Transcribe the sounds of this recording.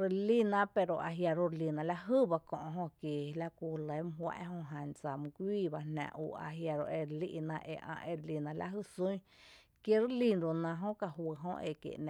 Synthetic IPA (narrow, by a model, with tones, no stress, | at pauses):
ɾe˧li˦˧nã˦pe˧ɾo˨ʔa˧ɦja˧ɾo˧ɾli˧˨nã˧˨la˧ɦɨ˦˨ba˧kõ̰˧ʔɦõ˧kje˨la˦ku˧˨lə˨˦m˧ɦwa̰˧ʔhõ˧ɦã˧nt͡sa˨mɨ̃˧ɡʷiː˦˨ba˧nã̰˧˨ʔṵ˧˨a̰˧ɦja˧ɾo̰˧ʔe˧ɾlḭ˦˧ʔnã˧ʔḛ˧ʔã̰˧ʔe˧ɾli˧˨nã˧la̰˧ʔɦɨ˦sũ˦j̃ | kje˧˦ɾe˦li˧nɾo˨nã˧ɦõ˦ka˧ɦwə˧˨ɦõ˦ʔḛ˧kjḛ˨ʔnã˨